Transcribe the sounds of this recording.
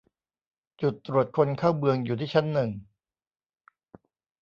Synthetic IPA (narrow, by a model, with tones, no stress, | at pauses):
t͡ɕu˨˩t̪ːɾu˨˩ət̪̚kʰo˧nkʰaː˥˩wbɯ˧əŋjuː˨˩t̪ʰiː˥˩t͡ɕʰa˦˥nːɯ˨˩ŋ